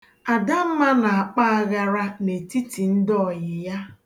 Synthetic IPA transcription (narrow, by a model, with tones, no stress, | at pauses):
a˨da˦m̩˦ma˦na˨a˨k͡pa˦a˦ɣa˦ɾa˦ne˨ti˦ti˨n̩˦dɔ˦ɔ˨jɪ˨ja˦